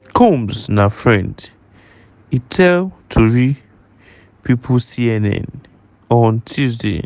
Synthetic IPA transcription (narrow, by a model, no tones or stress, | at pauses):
kʰɔ̃msnafɹɛ̃nd | itʰɛltʰuɹi | pʰipʰusiɛnɛ̰̃n | ɔ̃ntʰuzdḛ